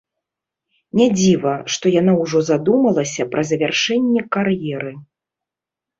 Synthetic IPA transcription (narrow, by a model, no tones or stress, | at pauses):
nʲad͡zʲivɐʂt̪ɔjan̪awʐɔzad̪umɐlˠɐsʲɐpɾʔɐzɐvʲarʂɛnʲːɛkarjɛɾɨ